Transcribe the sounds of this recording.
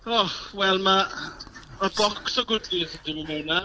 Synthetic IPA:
ɔwɛlˠma | mabɔksɔɡʊdlizdɪnəmɛwna

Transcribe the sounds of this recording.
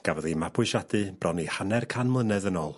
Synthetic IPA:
ɡ̥avɔðimapʰʊʃadɨb̥rʔɔnihanɛrkʰanmlˠənɛðənɔːlˠ

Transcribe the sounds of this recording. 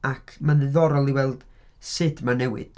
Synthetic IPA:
akʰmanðɪðɔɾɔlˠiwɛlˠd̥ | sɨdmanɛwɨ̰d̥

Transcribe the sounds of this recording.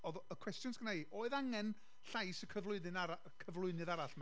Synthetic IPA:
ɔðəkʰwɛstjʊnsɡ̥ənaioːɨðaŋɛn | ɬajsəkʰəvlˠʊɨðɨnaa | kʰəvlˠʊɨnɨðaɾaɬma

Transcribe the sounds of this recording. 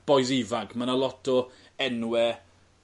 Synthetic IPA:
b̥ɔjs̬ɪvaɡmanalˠɔtʰɔ | ɛnwɛ

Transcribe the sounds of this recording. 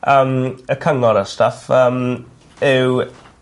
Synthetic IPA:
əməkʰəŋɔɾəstəfəm | ɪw

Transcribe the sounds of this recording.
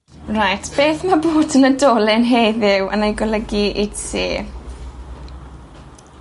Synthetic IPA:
rajtʰb̥eːθmaboːdənədɔːlɪnɦejðɪwə̰najɡɔlˠəɡiʔidseː

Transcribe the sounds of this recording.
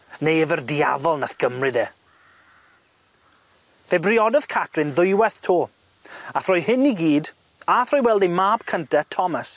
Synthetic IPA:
nejɛvərdia̰vɔlˠnaθɡ̥əmrɨdeː | vebrɪɔdəðkʰatʰrɨnðʊjwɛθtʰoː | aθrɔjhɪniɡiːd | aθrɔːjwɛlˠdimaːb̥kʰəntatʰɔmas

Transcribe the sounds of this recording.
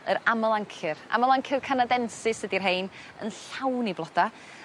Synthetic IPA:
əɾaməlˠaŋkʰɪra̰məlˠaŋkʰɪrkʰanadɛnsɪsədirɦejn | ə̰nɬawniblˠɔd̥a

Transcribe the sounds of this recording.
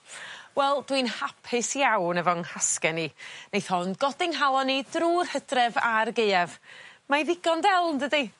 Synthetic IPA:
wɛlˠd̥winhapʰɪsjawnɛvɔŋhaskɛninejθɔnɡ̥ɔdɪŋɦalˠɔnidruːrhədrɛvarɡeɨɛvmajðɪɡɔndɛlˠndədi

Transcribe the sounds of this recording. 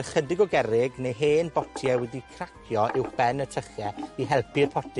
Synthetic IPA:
χədɪɡɔɡɛɾɪɡnejɦeːnbɔtʰiɛwɛdikʰrakʰjɔʔɪwxb̥ɛnətʰəχjɛiɦɛlˠpʰɨrpʰɔtʰi

